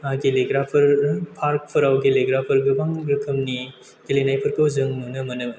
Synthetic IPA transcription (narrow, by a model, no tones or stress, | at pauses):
aɡeleɡɾapʰɐɾpʰaɾk̚pʰɯɾawɡeleɡɾapʰɐɾɡɯbaŋɡɾɯkʰɯmni | ɡ̥elenajpʰɐɾkɯwzɯŋnunɯmɐnɯm